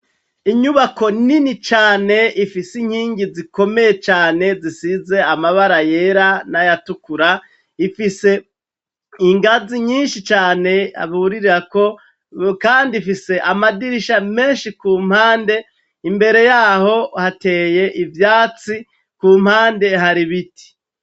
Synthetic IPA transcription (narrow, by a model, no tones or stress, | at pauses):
iɲuβako̞ninit͡ʃaːne̞ifisiŋ̥hiːŋɡiziko̞me̞je̞t͡ʃaːne̞zisize̞amaβaɾaje̞ɾanajatukuɾa | ifise̞ | iŋɡaziɲiːnʃit͡ʃaːne̞a̰βuuɾiɾiɾako̞ | kaːndifise̞ʔamadiɾiʃame̞ːnʃikuːm̥haːnde̞ | imbe̞ɾe̞jaːho̞hate̞ːje̞ʔivjaːt͡si | kuːm̥haːnde̞ɦaɾiβiti̥